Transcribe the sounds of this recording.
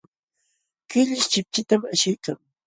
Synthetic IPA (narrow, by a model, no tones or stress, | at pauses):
kɪʎɪʃt͡ʃɪp̚t͡ʃɪt̪amaʃɪjkaŋ